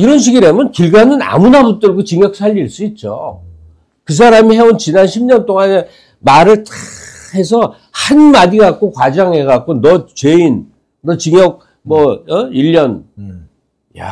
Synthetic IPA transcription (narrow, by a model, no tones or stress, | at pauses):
iɾʌnɕ̬ʰiɡiɾemjʌnkiɭɡanɯna̰munabut͈ɯɭɡot͡ɕiŋjʌk̚s͈aʎːiɭs͈uit̚t͡ɕ͈o̰ | kɯs̬ʰaɾamihe̞ont͡ɕinanɕʰimɲʌnt͈oŋane | maɾɯɭtḁ | he̞sʰʌ | hanmadiɡak̚k͈ʰokwad͡ʑaŋe̞ɡak͈onʌt͡ɕeinː | ʌt͡ɕiŋjʌɡ̚ | mʌʌiʎːʌn | ja